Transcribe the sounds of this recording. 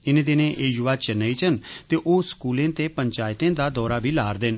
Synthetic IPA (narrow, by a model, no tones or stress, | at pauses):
ɪnẽːd̪ɪnẽʔeːjʊʋaːt͡ʃənːait͡ʃənt̪eːʔoːskuːlẽːt̪eːpəɲt͡ʃaːɪt̪ẽːd̪aːd̪ɔːɾaːbʱiːlaːɾd̪eːn